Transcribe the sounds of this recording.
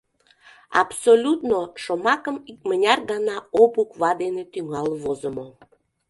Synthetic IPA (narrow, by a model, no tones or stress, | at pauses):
ɑ̰psolʲut̪noʃomɑkəmik̚mənʲɑrɡɑnɑopukβɑd̪enet̪yŋɑlβozəmo